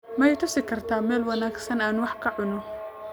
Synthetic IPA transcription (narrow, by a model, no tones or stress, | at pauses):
mɐjɛjt̪ʰɐfsɪkʰɐrt̪ʰaːmɛːlwɐnaːɡsɐnaːnwɑħkʰɐʕʊnɔ